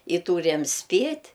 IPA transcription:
ɪ ˈtuːrʲɛm ˈsʲpʲeːtʲ

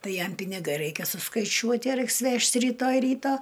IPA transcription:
ˈtɐɪ ˈjɛm pʲɪnʲɪˈɡɐɪ ˈrɐɪkʲɛ sʊskɐɪˈt͡ʃʲuɔtʲɪ ˈrɐɪks ˈʋʲɛʃt rʲiːˈtoːj ˈrʲiːtɐ

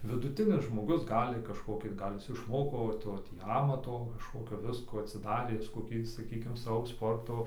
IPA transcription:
ʋʲɪdʊˈtʲɪnʲɪs ʒmoːˈɡʊs ˈɡɑːlʲɪ kɐʃˈkoːkʲiː ˈɡɐlʲ ˈjɪs ɪʃˈmoːkoː ʋɐ ˈtoː ˈtʲiː ˈɑːmɐtoː kɐʃˈkoːkʲoː ˈʋʲɪskuː ɐtʲsʲɪˈdɑːrʲeː ˈjɪs koːˈkʲiː sɐˈkʲiːkʲɪm ˈsɑːʋoː ˈspoːrtoː

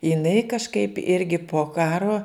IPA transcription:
jɪˈnɐɪ kɐʃˈkɐɪp ˈɪrʲɡʲɪ poː ˈkɑːroː

